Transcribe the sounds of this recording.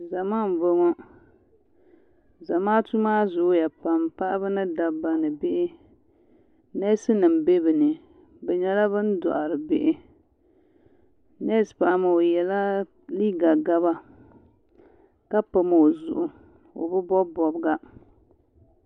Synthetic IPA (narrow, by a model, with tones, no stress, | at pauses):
za˨maː˦˨m˨bo˦ŋɔ˦ | za˨maː˦tu˦maː˦zʊ˨ʔja˨pa˨mpa˦ʔa˦bɨ˦nɨ˦da˨ba˨nɨ˨bɪ˦ʔɪ˦ | nɛ˦sɨ˦nɨ˨m˨be˦bɨ˨nɨ˨ | bɛ˨ɲɛ˦la˦βɨ˦n̩˦dɔ̰˨ʔa˨ɾɨ˨bɪ˦ʔɪ˦ | nɛ˦spa˨ʔma˨o˨jɛ˨la˦ | li˦ɡa˨ɡa˦βa˦ | ka˦pa˨ma˨o˨zʊ̰˨ʔʊ˨ | o̰˨bɨ˦bɔ˦bɔ˨bɡa˦